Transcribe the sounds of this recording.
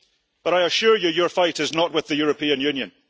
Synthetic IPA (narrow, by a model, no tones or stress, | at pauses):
b̥ʌɾaɪəʃʉɹjəjə˞faɪʔɪznəʔwɪðəjʉɹəpʰĩə̃njʉ̃njə̃n